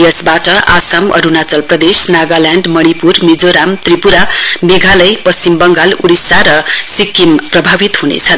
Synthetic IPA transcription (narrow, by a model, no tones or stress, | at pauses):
jʌsbaʈʌʔa̰samʌ̰ɾunat͡sʌlprʌd̪esnaɡalaɳɖmʌɽipurmid͡zoɾamt̪ripuɾameɡʱalʌjpʌst͡simbʌŋɡaluɽisaɾʌsikːimprʌbʱabit̪ɦunḛt͡sʰʌn